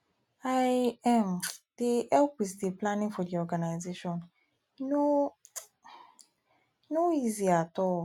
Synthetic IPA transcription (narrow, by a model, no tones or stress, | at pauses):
aɛmd̥iʔɛlkwistiplãnĩŋfɔdiɔɡanajzeʃɔ̃n | no | noiziatɔ